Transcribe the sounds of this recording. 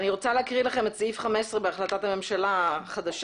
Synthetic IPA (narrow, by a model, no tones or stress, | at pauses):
niʁo̞t͡saleakʁilaχe̞met͡sifχamesʁebeaχlat̪athame̞mʃalaχad̪aʃ